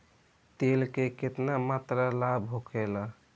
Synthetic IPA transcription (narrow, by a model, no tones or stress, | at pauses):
t̪elkeket̪namat̪ɾalabʱɦokʰɛla